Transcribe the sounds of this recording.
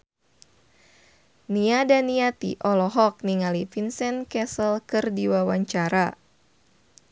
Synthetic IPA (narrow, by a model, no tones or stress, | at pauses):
niadaniat̪ḭʔɔlɔɦɔk̚niŋalifinsɛnkɛsəlkɨrdiwawaɲt͡ʃaɾa